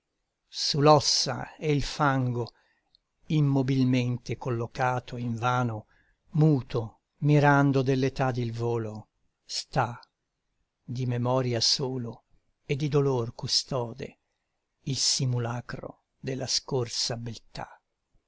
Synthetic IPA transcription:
sulɔsːa̰eilfaŋɡo | imːobilment̪ekolːokaːt̪ʰoiɱvaːno | muːt̪o | miɾand̪od̪elːet̪ad̪ilvoːlo | st̪a | d̪imemɔɾjasoːlo | ed̪ːid̪olorkust̪ɔːd̪ḛ | ilsimulakɾo̰ | d̪elːaskorsabelt̪a̰

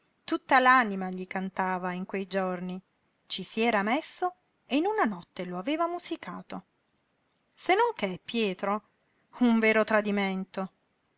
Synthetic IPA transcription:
t̪ut̪ːalanimaʎikant̪aːvaiŋkwejd͡ʒorni | t͡ʃisiɛːɾamesːo | einunanɔt̪ːeloaveːvamuzika̰ːt̪o | senːoŋkepːjɛːt̪ɾo | uɱveːɾot̪ɾad̪iment̪o

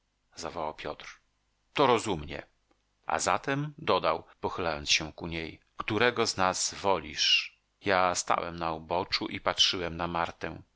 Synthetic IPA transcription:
zavɔwawpʲjɔt̪ɾ | t̪ɔɾɔzumɲɛ̰ | ʔa̰zat̪ɛmd̪ɔd̪awpɔxɘlajɔnt̪ɕɛkuɲej | kt̪uɾɛɡɔznaz̥vɔlʲḭʂ | jast̪a̰wɛ̰mnaubɔt͡ʂuʔipatʂɘwɛmnamaɾt̪ɛ̃

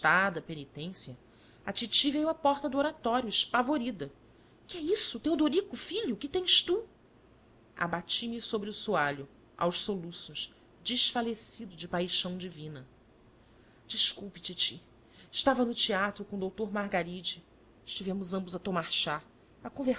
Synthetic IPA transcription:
t̪ad̪ɐpenit̪ẽsjɐ | at͡ʃit͡ʃivejuapɔχt̪ɐd̪ʊoɾat̪ɔɾjʊɪʃpavoɾid̪ɐ | kɪɛisʊt̪ewd̪oɾikʊfiʎʊkɪt̪ẽj̃ʃt̪u | a̰bat͡ʃimɪsobɾɪʊsuaʎʊ | ʔa̰wʃsolusʊʃ | d͡ʒɪʃfalesid̪ʊd͡ʒɪpajʃɐ̃w̃d͡ʒivĩnɐ | d͡ʒiʃkuwpɪt͡ʃit͡ʃi | ɪʃt̪avɐnʊt͡ʃiat̪ɾʊkõd̪owt̪oɾmaɦɡaɾid͡ʒɪ | ɪʃt͡ʃivẽmʊzɐ̃mbʊzɐt̪omaɾʃa | pɐkõve

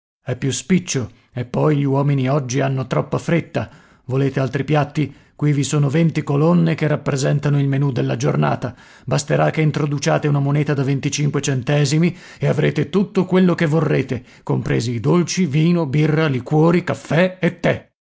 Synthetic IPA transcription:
ɛpːjuspit͡ʃːo | epːɔjʎiwɔːminiɔd͡ʒːianːot̪ɾɔpːafɾet̪ːa | voleːt̪ealt̪ɾipjat̪ːi | kwivisoːnovent̪ikolonːekerːapːɾezɛnt̪anoilmenud̪elːad͡ʒorna̰ːt̪a | bast̪eɾakːeint̪ɾod̪ut͡ʃa̰ːt̪eunamonɛːt̪ad̪avent̪it͡ʃiŋkwet͡ʃɛnt̪ɛːzimi | eavɾḛːt̪et̪ut̪ːokwelːokevːorːeːt̪e | kompɾḛːziːd̪olt͡ʃiviːnobirːalikwɔːɾikafːɛet̪ːe

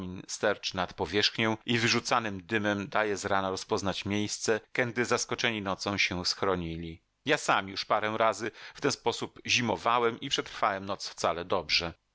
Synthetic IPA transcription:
mʲinst̪ɛɾt͡ʂnat̪pɔvʲjɛʂxɲɔ̃w̃ʔivɘʐut̪sanɘmd̪ɘmɛmd̪ajɛzɾanaɾɔspɔznat͡ɕmʲjejst̪sɛkɛnd̪ɘzaskɔt͡ʂɛɲinɔt̪sɔ̃w̃ɕɛsxɾɔɲilʲi | jasamjuʂpaɾɛw̃ɾazɘft̪ɛñspɔsupʑimɔvawɛmipʂɛt̪ɾfawɛmnɔt̪sft̪salɛd̪ɔbʐɛ

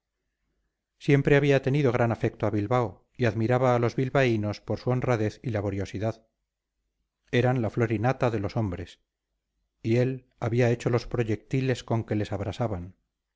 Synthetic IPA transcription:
sje̞mpɾe̞aβiat̪e̞niðo̞ɣ̞ɾanafek̚t̪oaβilβaw | iaðmiɾaβaːlo̞zβilβaino̞spo̞ɾsuo̞nraðe̞θilaβo̞ɾjo̞siðað | e̞ɾanlaflo̞ɾinat̪aðe̞lo̞so̞mbɾe̞s | ie̞l | aβiae̞t͡ʃo̞lo̞spɾo̞ʝe̞k̚t̪ile̞sko̞ŋke̞le̞saβɾasaβan

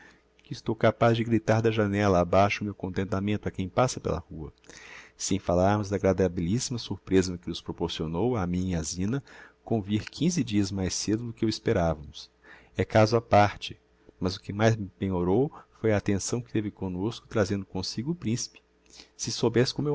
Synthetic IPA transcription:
kɪɪst̪owkapazd͡ʒɪɡɾit̪aɾd̪ɐʒanɛlɐabajʃʊmewkõnt̪ẽnt̪amẽnt̪ʊɐkẽj̃pasɐpḛlɐ̰huɐsẽj̃falaɾmʊzd̪aɡɾad̪abilisimɐsuɾpɾezɐnʊkɪnʊspɾopoɾsionowamĩɲazĩnɐkõviɾkʰĩzɪd͡ʒiɐzmajsed̪ʊd̪ʊkɪewispeɾavɐmʊs | ɛkazʊapaɾt͡ʃɪ̥ | mɐzʊkɪmajzmɪpẽɲoɾowfojɐːt̪ẽsɐ̃w̃kɪt̪evɪkõnoskʊ̥t̪ɾazẽnd̪ʊkõsiɡʊːpɾĩsi̥pɪ̥ | sɪsowbɛsɪ̥kõme

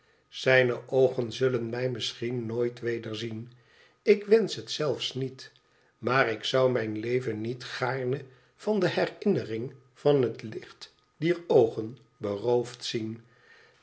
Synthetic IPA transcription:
z̥ɛjnəʔowχənzɵlənmɛjmɪsχinːoːjtʋejdəɹzin | ɪkʋɛnsɦətsɛlˠfsnit | maːrɪksʌwmɛjnlejvənːitχaːɹnə | v̥ɑndəɦɛrɪnərɪŋ | v̥ɑnɦətlɪχt | d̥iːɹowχən | bərowftsin

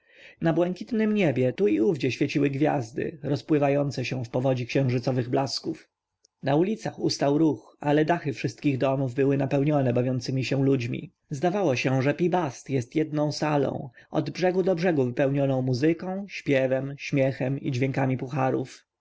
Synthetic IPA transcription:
nabwɛŋkʲit̪nɘmɲɛbʲjɛt̪uiuvd͡ʑɛɕfʲjet͡ɕiwɘɡvʲja̰zd̪ɘ̰ɾɔspwɘvajɔnt̪sɛɕɛ̃fpɔvɔd͡ʑikɕɛ̃w̃ʐɘt̪sɔvɘɣblaskuf | naulʲit̪saxust̪awɾux | alɛd̪axɘfʂɘst̪̚kʲiɣd̪ɔmuvbɘwɘnapɛwɲɔnɛbavʲjɔ̃nt̪sɘmʲiɕɛ̃lud͡ʑmʲḭ | zd̪avawɔɕɛ̃ʐɛpʲibast̪jɛst̪jɛd̪̚nɔ̃w̃salɔ̰̃w̃ɔ̰d̪bʐɛɡud̪ɔbʐɛɡuvɘpɛwɲɔnɔ̃w̃muzɘkɔ̃w̃ɕpʲjɛvɛmɕmʲjɛxɛmḭd͡ʑvʲjɛŋkamʲipuxaɾṵf

